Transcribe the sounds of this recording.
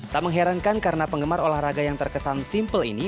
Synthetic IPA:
t̪aməŋɦɛɾankankaɾənapəŋɡəmarolahraɡajaŋt̪ərkəsansimpəlḭni

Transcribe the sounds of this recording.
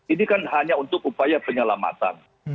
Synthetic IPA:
inikanɦaɲaunt̪ʊk̚upajapəɲəlama̰t̪a̰n

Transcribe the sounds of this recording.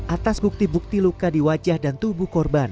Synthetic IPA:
ʔat̪asbuk̚t̪ibuk̚t̪ilukadiwad͡ʒahdant̪ubuhkɔrban

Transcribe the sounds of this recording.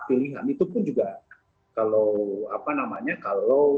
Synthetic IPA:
t̪iliɦa̰mit̪upʊnd͡ʒuɡa | kaloapanamaɲakalo

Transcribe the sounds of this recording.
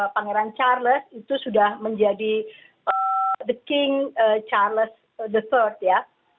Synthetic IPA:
paŋeɾant͡ʃarləsit̪usudahməɲd͡ʒadi | əd̪əkɪŋət͡ʃarləs | d̪ət̪ərt̪̚ja

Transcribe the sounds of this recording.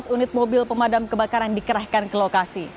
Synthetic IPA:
sunɪt̪̚mobɪlpəmadamkəbakaɾandikəɾahkankəlokasi

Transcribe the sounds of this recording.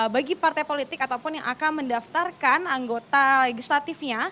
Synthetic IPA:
baɡipart̪ajpolit̪ɪkat̪awpʊnjaŋʔakanməndaft̪arkanaŋɡot̪aleɡislat̪ɪfɲa

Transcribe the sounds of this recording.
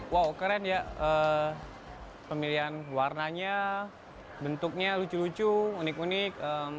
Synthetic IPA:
wawkaɾanjaə | pəmiliɦanwarnaɲa | bənt̪ʊk̚ɲalut͡ʃulut͡ʃuːnɪkunɪk̚ə

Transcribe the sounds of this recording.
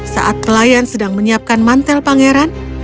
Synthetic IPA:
sa̰ʔat̪̚kəlajansədaŋməɲiap̚kanmant̪ɛlpaŋeɾan

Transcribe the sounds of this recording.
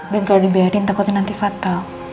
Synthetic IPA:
bɛnklaɾibɛɾint̪akɔt̪inant̪ifat̪al

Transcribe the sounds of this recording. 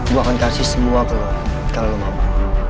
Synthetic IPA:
buakankasɪhsəmuakəlokalomama

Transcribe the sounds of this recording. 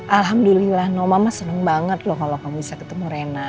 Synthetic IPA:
ʔalɦamdulilahnomamasənəŋbaŋət̪̚lʊhkalokaŋbisakət̪əmuɾena

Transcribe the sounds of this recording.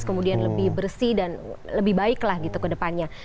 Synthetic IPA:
skəmudianləbɪhbərsidanləbɪhbaɪklahɡit̪ukədəpanɲa

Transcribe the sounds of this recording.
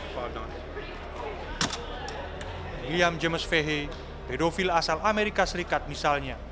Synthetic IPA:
liamd͡ʒəməsfeɦe | pedofilasalameɾikasəɾikat̪̚misalɲa

